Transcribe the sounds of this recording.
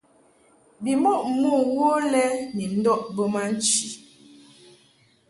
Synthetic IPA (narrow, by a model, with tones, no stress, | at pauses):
bi˨mɔ˦˨ʔmu˦˨wo˦lɛ˦ni˨n̩˦dɔ˦ʔbə˦ma˦n̩˦t͡ʃi˨